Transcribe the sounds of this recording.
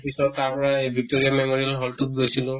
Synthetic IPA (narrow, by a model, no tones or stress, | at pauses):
pisɔt̚tːaɹpɔɹaejbʱik̚toɹiamemoɹiɛlɦɔltuk̚ɡojsilʊ̃